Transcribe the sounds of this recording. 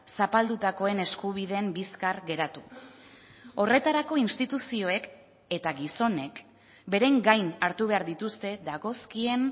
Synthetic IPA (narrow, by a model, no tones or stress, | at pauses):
sapald̪ut̪ako̞e̞ne̞skuβ̞ið̞e̞mbiskarɡe̞ɾat̪u | o̞re̞t̪aɾako̞inst̪it̪usio̞e̞k | e̞t̪aɣiso̞ne̞k | be̞ɾeŋɡajnaɾt̪uβe̞aɾðit̪ust̪e̞ðaɣo̞skie̞n